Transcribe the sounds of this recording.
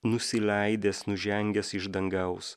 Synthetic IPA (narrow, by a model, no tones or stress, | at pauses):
nʊsʲɪlʲæɪd̪ʲeːsnʊʒʲɛŋʲɡʲɛsɪʒd̪ɐŋɡɐʊs